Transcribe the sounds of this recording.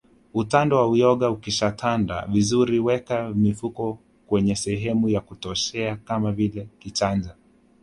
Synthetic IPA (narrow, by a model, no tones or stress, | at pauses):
utandɔwaujɔɠaukiʃatʰanda̰vizuɾiwɛkamifukɔ | kwɛɲɛsɛɦɛmujakutɔʃɛakamavilɛkit͡ʃand͡ʒa